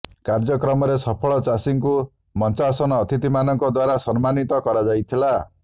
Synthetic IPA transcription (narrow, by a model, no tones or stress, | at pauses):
kaɾd͡ʒɔkɾɔmɔɾesɔpʰɔɭɔt͡ʃasiŋku | mɔnt͡ʃasɔnɔːt̪ʰit̪imanɔŋkɔd̪waɾasɔnmanit̪ɔkɔɾad͡ʒajt̪ʰila